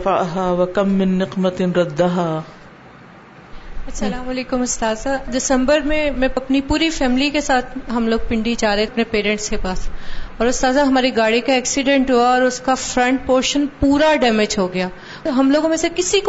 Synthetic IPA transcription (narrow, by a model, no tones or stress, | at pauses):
aɦaːwɐkɐmːɪnːɪqmɐt̪ɾɐd̪ːaɦaː | ɐsɐlaːmɐleːkʊmʊst̪aːzaɖɪsə̃mbəɾmẽmɛ̃ɐpnipuːɾifɛːmɪlikesaːt̪ʰɦɐmloːɡ̚pɪ̃ɳɖid͡ʒaːɾɐepnepeːɾɛ̃ɳʈskepaːsɔːɾʊst̪aːzaɦɐmaːɾiɡaːɽikaɛːksɪɖɛ̃ɳʈɦuːaɔːɾʊskafɾɐ̃ɳʈ̚poːɾʃənpuːɾaɖɛːmed͡ʒɦoɡɐjaː | ɦɐmloːɡõmẽsekɪsik